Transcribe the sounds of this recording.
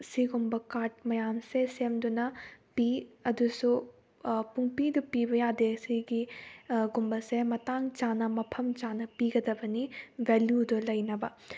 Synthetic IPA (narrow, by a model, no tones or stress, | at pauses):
siɡumbɐkaːʈ̚mɐjaːnsesemd̪unɐpiːɐd̪usu | puŋpid̪upiːbɐjaːd̪eːsiɡiɡumbɐsemɐt̪aːŋt͡ʃaːnɐmɐpʰɐmt͡ʃaːnɐpiːɡɐd̪ɐbɐniʋeljud̪ulɐjnɐbɐ